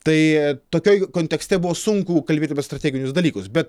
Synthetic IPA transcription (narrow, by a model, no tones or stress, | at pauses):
t̪ɐɪt̪oːkʲoːjkoːnʲt̪ʲɛksʲt̪ʲɛbʊʋoːsʊŋkuːkɐlʲbʲeːt̪ʲɐpʲɛst̪ɾɐt̪ʲɛːɡʲɪnʲʊsd̪ɐlʲiːkʊsbʲɛt̪